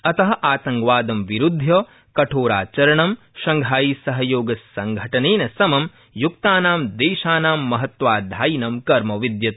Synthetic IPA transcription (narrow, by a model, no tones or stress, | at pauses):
ɐt̪ɐɦɐʔaːt̪ɐŋɡʋaːd̪ɐmʋiɾud̪ʱjɐː | kɐʈʰoːɾaːt͡ʃɐɾɐɳɐm | ʃɐŋɡʱaːjiːsɐɦɐjoːɡɐsːɐŋɡʱɐʈɐneːnɐsɐmɐm | juk̚t̪aːnaːmd̪eːʃaːnaːmːɐɦɐt̪ʋaːd̪ʱaːjnɐmkɐɾmɐʋid̪jɐt̪̚